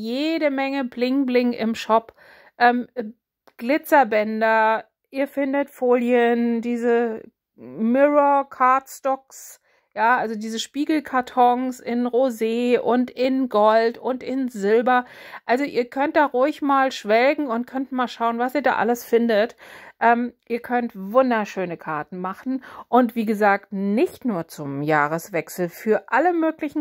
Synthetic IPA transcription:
jeːdəmɛŋəblɪŋblɪŋɪ̰mʃɔp | ʔɛːm | ɡ̥lɪt͡sɐbɛndɐ | ʔiːɐfɪndətfoːljəndiːzə | mɪʁokʰaɐtstɔks | jaːʔalzodiːzəʃpiːɡl̩kʰaɐtʰɔŋsɪnʁozeːʔʊntɪnɡɔltʊntɪnzɪlbɐʔalzoʔḭːɐkʰœnt̚d̥aːʁʊɪçmaːlʃv̥ɛlɡŋ̩ʊntkʰœntmaːlʃaʊənvasiːɐda̰ːʔaləsfɪndətʔɛːmʔiːɐkʰœntvʊndɐʃøːnəkʰaɐtn̩maχn̩ʔʊntv̥iːɡəzaːktnɪçtnuːɐt͡sʊmjaːʁəsv̥ɛksl̩fyːɐʔaləmøːklɪçn̩

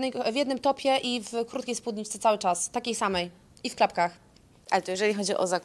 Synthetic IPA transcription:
ɛjvʲjɛd̪nɘmt̪ɔpʲjɛʔivkɾut̪kʲejspud̪ɲit͡ʃt̪sɛt̪sawɘt͡ʂast̪akʲejsamɛj | ifklapkax | ʔalɛt̪ɔjɛʐɛlʲixɔd͡ʑiʔɔ̰zak

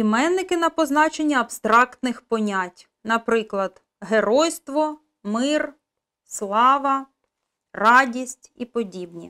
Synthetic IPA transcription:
imɛnːɪkɪnɐpɔznɑt͡ʃenʲːɐɐbst̪ɾɑkt̪nɪxpɔnʲatʲ | nɐpɾɪklˠɐd̪̥ | ɦeɾɔjst̪ʋɔ | mɪr | slˠɑʋɐ | rɑdʲisʲtʲipɔdʲibnʲḭ

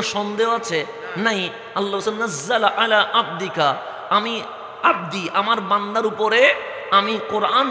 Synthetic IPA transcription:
ʃɔnd̪eɦoat͡ɕʰe | naj | alːaasannːazːalʔalaʔab̚d̪ika | ami | ab̚d̪iʔamaɾband̪aɾupoɾe | amiqoɾʔan

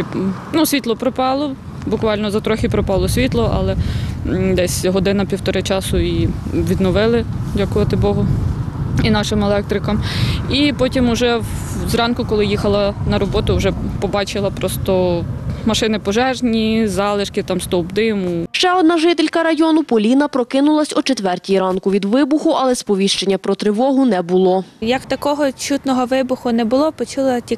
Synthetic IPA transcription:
nusʲʋʲit̪lˠɔpɾɔpɑlˠɔ | bʊkʋɑlʲnɔzɐt̪ɾɔxʲɪpɾɔpɑlˠɔsʲʋʲit̪lˠɔʔɑ̰lˠɛ | d̪ɛsʲɦɔd̪ɪnɐpʲiwt̪ɔɾɪt͡ʃɑsʊiʋʲid̪nɔʋɪlˠɪdʲɑkʊʋɐt̪ɪbɔɦʊ | inɑʃɪmɛlˠɛk̚t̪ɾɪkɐmipɔtʲimʊʒɛw | zrɑnkʊkɔlˠɪjixɐlˠɐnɐɾɔbɔt̪ʊwʒɛpɔbɑt͡ʃɪlˠɐpɾɔst̪ɔmɐʃɪnɪpɔʒɛʒnʲizɑlˠɪʃkɪt̪ɑmst̪ɔwbd̪ɪmʊʃt͡ʃɛɔd̪̚nɑʒɪt̪elʲkɐɾɐjɔnʊpɔlʲinɐpɾɔkɪnʊlˠɐsʲɔt͡ʃet̪ʋɛrtʲijiɾɑnkʊʋʲid̪ʋɪbʊxʊʔɐlˠɛspɔʋʲiʃt͡ʃenʲːɐpɾɔt̪ɾɪʋɔɦʊnɛbʊlˠɔjɐkt̪ɐkɔɦɔt͡ʃut̪nɔɦɔʋɪbʊxʊnɛbʊlˠɔpɔt͡ʃulˠɐtʲi

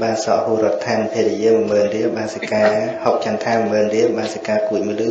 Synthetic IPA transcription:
ɓaːnsɑ̰ʔhuːɾŏət̪ʰaːnpʰeːɾɛjiəmɨ̆məːnriəɓaːnsakaːhok̚t͡ɕant̪ʰaːmməːnriəɓaːnsakaːkuəc̚məlɨː

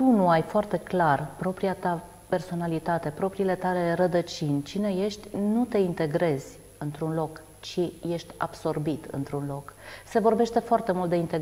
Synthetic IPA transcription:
t̪unuajfoart̪e̞klarpɾo̞pɾiat̪a | pe̞rso̞nalit̪at̪e̞pɾo̞pɾiːle̞t̪ale̞rəd̪ət͡ʃinʲt͡ʃine̞je̞ʃt̪ʲnut̪e̞int̪e̞ɡɾe̞z̥ʲ | ɨnt̪ɾunlo̞k | t͡ʃije̞ʃt̪ʲa̰b̥so̞rbit̪ɨ̰nt̪ɾunlo̞kse̞vo̞rbe̞ʃt̪e̞foart̪e̞mult̪̚d̪eint̪e

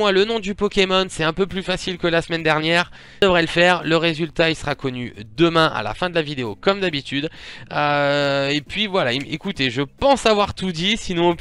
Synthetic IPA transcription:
walənɔ̃d̪ypɔkʲemɔnsɛt̪ɛ̃pøplyfasilkəlasəmɛnd̪ɛʁnjɛːʁ | əvʁɛləfɛːʁləʁezylt̪ailsəʁakɔnyd̪əmɛ̃ʔa̰la̰fɛ̃d̪əlavid̪eokɔmd̪abit̪yd̪øepɥivwalaiekut̪eʒəpɑ̃savwaʁt̪ud̪isinɔ̃

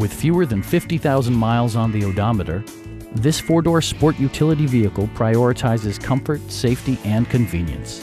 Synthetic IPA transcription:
wɨð̥fjʉə˞ðɨ̃nfɪftiθaʊzə̃n̩maɪlˠzn̩ðioʊdɑmɨɾə̰˞ | ðɪsfɔɹdɔɹspɔɹʔjʉtʰɪlˠəɾiviɨkl̩ˠpʰɹ̥aɪɔɹɨtʰaɪzɨz̥kʰʌ̃ɱfə˞tseɪftiʔɨ̃nkʰɨ̃ɱvḭ̃njɨ̰̃ns

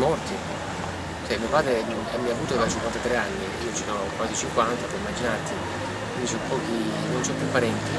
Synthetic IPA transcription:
mɔrt̪i | t͡ʃɛmiopaːd̪ɾe | ɛmːiavuːt̪oɾat͡ʃiŋkwant̪at̪ɾeanːiiːot͡ʃikanakwaːt̪it͡ʃiŋkwant̪apɛɾimːad͡ʒinart̪i | kwind̪isɔpːɔːk̟i | nonsɔpːjupːaɾɛnt̪i

